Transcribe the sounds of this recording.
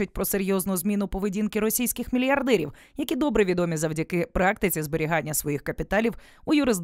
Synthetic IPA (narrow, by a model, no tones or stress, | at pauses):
ʊt̚ʲpɾɔseɾʲjɔznʊzmʲinʊpɔʋedʲinkɪɾɔsʲijsʲkɪxmʲilʲjɐrd̪ɛɾʲḭw | jɐkʲid̪ɔbɾɪʋʲid̪ɔmʲizɐwdʲɐkɪpɾɑk̚t̪ɪt͡sʲizbeɾʲiɦɑnʲːɐsʋɔjixkɐpʲit̪ɑlʲiw | ujʊɾɪzd̪